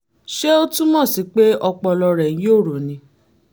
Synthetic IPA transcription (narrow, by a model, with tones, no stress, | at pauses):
ʃe˦o˦tũ˦mɔ̃˦˨si˨˦k͡pe˦ɔ˧k͡pɔ˧lɔ˧ɾɛ̃˨˦joː˦˨ɾo˨nĩ˧˦